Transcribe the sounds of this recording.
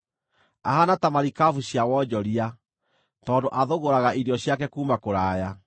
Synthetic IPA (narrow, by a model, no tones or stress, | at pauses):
ahanatamaɾikavuɕjawɔd͡ʑɔɾia | tɔːndoʔaðoɣoɾaɣaʔiɾjɔɕjakɛkuːmakoɾaːja